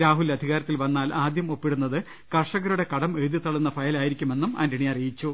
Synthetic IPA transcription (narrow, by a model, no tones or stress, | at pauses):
ɾaːɦulɐd̪ʱiɣaːɾɐt̪ːilʋɐnːaːlaːd̪jɐmo̞pːiɽunːɐðɨ | kɐrʂɐɣɐɾuɽe̞kɐɽɐmeɻðjit̪ːɐɭːunːɐfɐjɐlaːjiɾikʲːume̞nːumɐ̰ndiɳijɐrijit͡ɕːu